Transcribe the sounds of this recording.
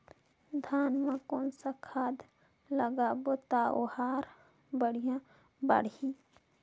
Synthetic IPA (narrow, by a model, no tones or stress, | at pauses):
d̪ʱaːnmãkoːnsakʰaːd̪ | ləɡaːbot̪aohaːɾ | bəɽijã | ba̰ɽi